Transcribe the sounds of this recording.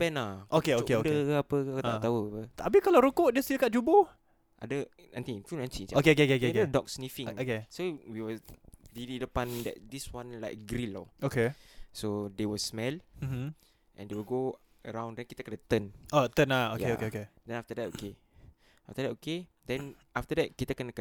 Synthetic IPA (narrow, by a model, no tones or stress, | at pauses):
pɛ̃naʔokeokeokdəkəapəkt̪at̪auapət̪abikalaɾukoʔdest̪ilkɔt̚d͡ʒubo | ʔa̰də | at̪ĩŋnfunɛ̃nsit͡ʃokeokekekekedɔk̚snifĩŋokesowiwədilidəpãndɛ̰t̚diswãnlaɪk̚ɡɾilːɔ̰ʔokesodewəsmɛl̩m̩ | ʔɛ̰̃ndewəɡo | əɾãw̃ndɛ̃nkit̪əkənat̪ə̃not̪ənaojeoekedɛ̃naft̪ədɛt̚oke | aft̪ədɛtoke | dɛ̃n | aft̪ədɛt̚kit̪əkənakə